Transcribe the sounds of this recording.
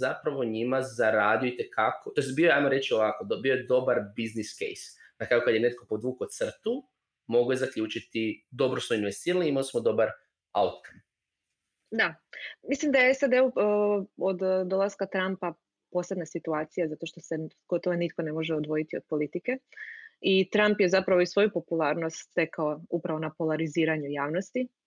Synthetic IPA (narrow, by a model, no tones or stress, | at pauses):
apɾaʋo̞ɲimazaɾaːd̪ijoit̪e̞kʰakot̪oest̪bioeajmoɾe̞t͡ɕio̞ʋakod̪biojed̪o̞baɾbizniskḛjs | nakɾajukad̪jene̞t̪̚ko̞po̞d̪ʋuːkot̪sr̩t̪u | mo̞ɡujezakʎuːt͡ʃit̪id̪o̞bɾosmoinʋest̪iːɾaliimalismod̪o̞baɾ | a̰ut̪kʰam | d̪amislimd̪ajeesad̪e̞u | od̪d̪o̞laskat̪ɾampa | po̞sled̪nasit̪uaːt̪sijazat̪o̞ʃt̪ose̞ɡ̥o̞t̪oʋonit̪ko̞ne̞mo̞ʒeod̪ʋo̞jit̪iod̪̥̚po̞lit̪ike̞ | it̪ɾampje̞zapɾaʋoisʋo̞jupo̞pulˠaːɾno̞st̪ːe̞kaoupɾaʋo̞napolaɾiziːɾaɲujaːʋno̞st̪i